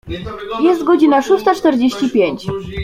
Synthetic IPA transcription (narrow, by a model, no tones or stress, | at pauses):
jɛst̪ɡɔd͡ʑinaʂust̪at͡ʂt̪ɛɾd͡ʑeɕt͡ɕipʲjeɲt͡ɕ